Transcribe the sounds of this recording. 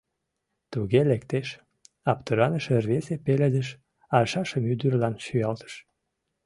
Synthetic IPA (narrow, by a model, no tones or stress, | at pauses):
t̪uɣelekt̪eʃ | ɑpt̪əɾɑnəʃərβesepeled̪əʃ | ɑʃɑʃə̆myd̪yrlɑnʃyɑlt̪ə̥ʃ